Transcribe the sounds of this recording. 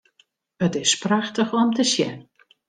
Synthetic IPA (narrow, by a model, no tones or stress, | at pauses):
ətɪspraxtəxɔmtəsjɛ̰n